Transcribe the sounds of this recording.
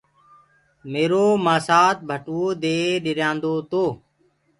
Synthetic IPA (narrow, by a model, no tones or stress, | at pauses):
meːɾoːmãːsaːt̪̚bʱəʈoːd̪eːɗɪɾjãːnd̪oːt̪oː